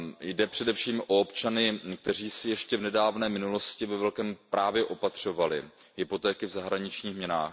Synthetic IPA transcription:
jdɛpr̝̥ɛdɛfʃiːmʔo̞opt͡ʃanɪk̚t̪ɛr̝iːsɪjɛʃcɛvnɛdaːvnɛːmɪnulo̞scɪvɛvɛlkɛːmpɾʔaːvjɛʔo̞pat̪r̝̥o̞valɪ | ɦɪpo̞t̪ɛːkɪvzaɦɾaɲɪt͡ʃɲiːxmɲɛna̰ːx

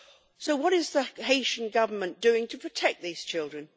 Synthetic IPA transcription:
soʊwʌɾɪzðəɦeɪʃə̃n̩ɡʌvəmə̃nd̥ʉɪ̃ŋtʰəpʰɹ̥ətʰɛk̚ðiz̥t͡ʃʰɪlˠdɹə̃n

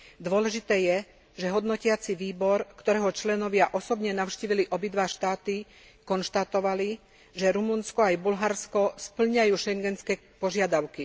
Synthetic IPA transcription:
d̪ʊɔlɛʒit̪ɛːjɛ | ʒɛɦɔd̪nɔcɪat͡siʋiːbɔɾkt̪ɔɾɛːɦɔt͡ʃlɛnɔʋɪaʔɔsɔbɲɛnaʊʃciːʋiliʔɔbid̪ʋaːʃt̪aːt̪i | kɔnʃt̪at̪ɔʋali | ʒɛɾumunskɔajbulɦaɾskɔspl̩ɲajuːʃɛŋɡɛnskɛː | pɔʒɪad̪aʊki

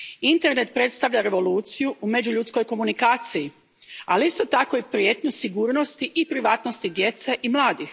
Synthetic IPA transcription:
int̪e̞ɾne̞t̪̚pɾe̞t̪st̪aʋʎaɾe̞ʋo̞luːt̪sijuʔume̞d͡ʑuʎut̪sko̞jko̞munikaːt̪siji | aliist̪o̞t̪ako̞ipɾje̞ːt̪ɲusiɡuːɾno̞st̪iʔipɾiʋaːt̪no̞st̪id̪je̞t̪se̞ʔimlˠaːd̪ix

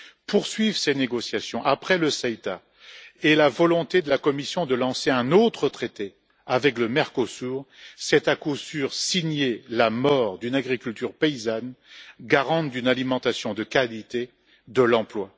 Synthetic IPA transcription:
puʁsɥivseneɡɔsjasjɔ̃ʔapχɛləsɛjt̪a | elavɔlɔ̃t̪ed̪əlakɔmisjɔ̃d̪əlɑ̃seɛ̃not̪χət̪χet̪e | avɛkləmɛʁkosuʁsɛt̪akusyʁsiɲelamɔʁd̪ynaɡʁikʲylt̪yʁpeizanɡaʁɑ̃t̪̚d̪ynalimɑ̃t̪asjɔ̃d̪əkalit̪e | d̪əlɑ̃plwa

